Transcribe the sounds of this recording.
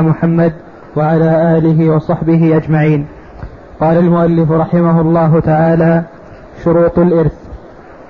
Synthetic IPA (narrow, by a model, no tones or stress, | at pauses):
mʊħamːad̪ | waʕalaːʔaːlɪɦɪwɑsˤɑħbɪɦɪʔad͡ʒmaʕiːn | qɑːlalmʊʔalːɪfɾˤɑħɪmaɦʊlˤːɑːɦʊt̪aʕaːlaː | ʃʊɾuːt̪ˤalʔɪɾθ